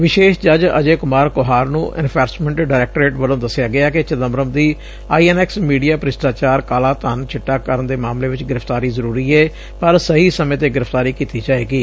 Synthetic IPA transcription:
ʋɪʃeːʃd͡ʒəd͡ʒə̰d͡ʒeːkʊmaːɾkʊɦaːɾnũːʔɪ̰npʰɛːɾsmɛ̃ɳʈɖaːɾɛːk̚ʈɾeːʈʋəlõːd̪əsɪjaːɡɪaːkɪt͡ʃəd̪əmɾəmd̪iː | aːiːɛːnɛːksmiːɖijaːpəɾɪsʈaːt͡ʃaːɾkaːlaːt̪ənt͡ʃʰɪʈːaːkəɾənd̪eːmaːmleːʋɪt͡ʃɡɪɾəfʰt̪aːɾiːzəɾuːɾiːɛː | pəɾsəɦiːsəmẽːt̪̬eːɡɪɾəpʰt̪aːɾiːkiːt̪iːd͡ʒaːeːɡiː

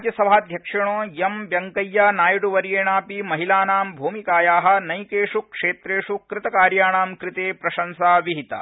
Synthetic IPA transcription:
d͡ʒjɐsɐbʱaːd̪ʱjɐkʂɐɳoːjɐmʋjɐŋkɐjːaːnaːjɽuʋɐɾjeːɳaːpimɐɦilaːnaːmbʱuːmikaːjaːɦɐ̆nɐjkeːʂukʂeːt̪ɾeːʂukɾɪt̪ɐkaːɾjaːɳaːmkɾɪt̪eːpɾɐʃɐnsaːʋiɦit̪ɐ̰

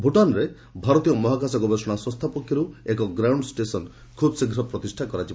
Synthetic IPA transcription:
bʱuʈɔnɾe | bʱaɾɔt̪ijɔmɔɦakasɔkɔbʱesɔɽ̃aswɔst̪ʰapɔkʰːjɔɾuekɔɡɾawɳɖsʈesɔn | kʰubsiɡʱɾɔpɾɔt̪isʈʰakɔɾat͡ʃibɔ

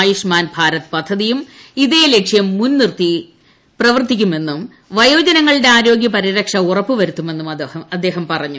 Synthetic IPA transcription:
juʂmaːnbʱaːɾɐt̪pɐd̪ʱːɐðijumiðeːle̞kʂjɐmːunnirt̪i | prɐʋɐrt̪ːikʲːume̞nːum | ʋɐjo̞ːd͡ʑɐnɐŋːɐɭiɽe̞aːɾo̞ːɡjɐpɐɾiɾɐkʂɐurɐpːuʋɐɾut̪ːume̞nːumɐɐɐd̪ːe̞ːɦɐmpɐrɐɲːu

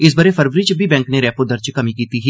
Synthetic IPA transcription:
ɪs̬bəɾeːpʰəɾʋəɾit͡ʃbʱiːbɛ̃ːŋkneːɾɛːpoːd̪əɾt͡ʃkəmĩːkiːt̪iːɦiː

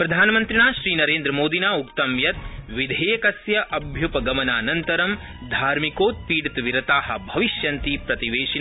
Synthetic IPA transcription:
pɾɐd̪ʱaːnɐmɐnt̪ɾiɳaːʃɾiːnɐɾeːnd̪ɾɐmoːd̪inaːukt̪ɐmjɐt̪ʋid̪ʱeːɐkɐsjɐʔɐbʱjupɐɡɐmɐnaːnɐnt̪ɐɾɐm | d̪ʱaːɾmikoːt̪̚piːɽt̪ʋiɾɐt̪aːɦɐ̰̆bʱɐʋiʃjɐnt̪iːpɾɐt̪iʋeːʃina

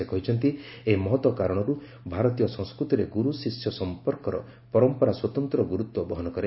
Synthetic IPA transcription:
ekʰɔɦit͡ʃʰɔnt̪i | eɦimɔɦɔt̪wɔkaɾɔɽ̃ɔɾu | bʱaɾɔt̪ijɔsɔ̃ŋ̃skɾut̪iɾeɡuɾusisjɔsɔmpɔɾkɔɾɔ̰ | pɔɾɔmpɔɾaswɔt̪ɔnt̪ɾɔɡuɾut̪wɔbɔɦɔnɔkɔɾe

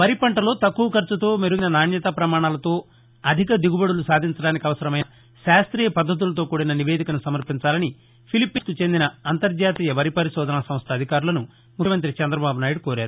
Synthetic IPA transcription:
ʋɐɾipɐɳʈɐlo̞ːt̪ɐkːuʋɐkɐɾt͡ʃut̪o̞ːmeɾuɡinɐnaːnjɐt̪ɐpɾɐmaːɳaːlɐt̪o̞ː | ɐd̪ʱikɐd̪iɡubɐɽulusaːd̪ʱiɲt͡ʃɐɽaːnikiɐʋɐsɐɾɐmɐjnɐ | ʃaːst̪ɾiːjɐpɐd̪ːɐt̪̬ulɐt̪̬o̞ːkuːɽɐnɐniʋeːd̪ʱikɐnusɐmɐɾpiɲt͡ʃaːlɐni | pʰilipːisk̪ut͡ʃe̞nd̪inɐɐnt̪ɐɾd͡ʒaːt̪iːjɐʋɐɾipɐɾiʃɔːd̪ʱɐnɐsɐmst̪ʰɐd̪ʱikaːɾulɐnu | mukʰɐmɐnt̪̬ɾit͡ʃɛnd̪ɾɐbaːbunaːjiɽkoːɾaːɾu

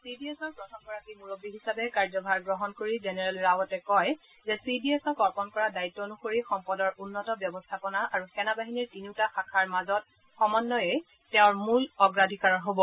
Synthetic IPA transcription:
sidiɛsɔɹpɹɔtʰɔmɡɔɹakimuɹobːiɦisabɛkaɹzɔbʱaɹɡɹɔɦɔnkoɹizɛnɛɹɛlɹawɔtɛkɔj | zɛsidiɛsɔkɔɹpɔnkɔɹadaitːɔnukoɹixɔmpɔdɔɹʔunːɔtɔbjɔbɔstʰapɔnaʔaɹuxɛnabaɦiniɹtiniʊtaxakʰaɹmazɔt̚ | xɔmɔnːɔjɛ | tɛʊ̃ɹmulɔɡɹadʱikaɹɔɦobɔ

